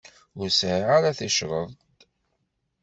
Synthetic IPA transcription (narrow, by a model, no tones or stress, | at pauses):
ʊɾsʕiʕaɾaθiʃɾˤəðˤt̪